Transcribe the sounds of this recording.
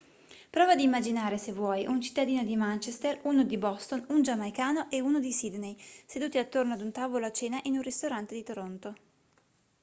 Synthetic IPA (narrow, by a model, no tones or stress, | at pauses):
pɾɔːvad̪iːmːad͡ʒinaːɾesevːwɔjʔunt͡ʃi̥t̪ːad̪iːnod̪imant͡ʃest̪eruːnod̪ibɔst̪onund͡ʒamajkaːnoʔeuːnod̪isid̪nejsed̪uːt̪iat̪ːornoad̪unt̪avoloat͡ʃːeːnaʔinunrist̪oɾant̪ed̪it̪oɾont̪o